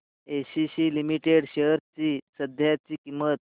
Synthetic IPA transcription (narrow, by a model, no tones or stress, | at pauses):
eɕiɕiːlimiʈeɽɕeɦəɾt͡sisəd̪ʱjat͡ɕiːkimːət̪̚